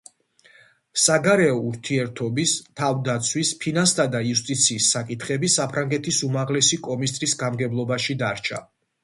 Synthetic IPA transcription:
saɡaɾɛɔuɾt̪ʰiɛɾt̪ʰɔbist̪ʰavd̪at̪sʰwispʰinast̪ʰad̪aiust̪ʼit̪sʰiːsːakʼit̪ʰχɛbisapʰɾaŋɡɛt̪ʰisumaʁlɛsikʼɔmist̪ʼɾisɡamɡɛblˠɔbaʃid̪aɾt͡ʃʰa̰

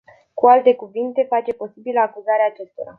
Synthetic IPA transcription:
kualt̪e̞kuvint̪e̞fat͡ʃe̞po̞sibiləakuzaɾeaːt͡ʃe̞st̪o̞ɾa̰

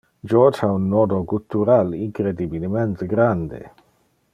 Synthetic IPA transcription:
d͡ʒɔɾd͡ʒhaunːɔd̪okult̪uɾaliŋkɾed̪ibilement̪eɡɾand̪ḛ

